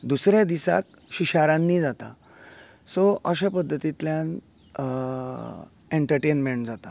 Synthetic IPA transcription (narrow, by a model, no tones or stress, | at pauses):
d̪usɾjad̪isa̰k̚ | ɕiɕaɾãnːiːd͡zat̪a | soʔəɕapəd̪ʱːət̪it̪ljan | eɳʈəɾʈenmeɳʈd͡zat̪a